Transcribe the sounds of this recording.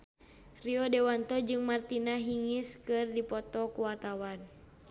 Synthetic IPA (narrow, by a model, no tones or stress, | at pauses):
riɔdɛwant̪ɔd͡ʒɨŋmart̪inaɦiŋiskɨrdipɔt̪ɔkuwart̪awan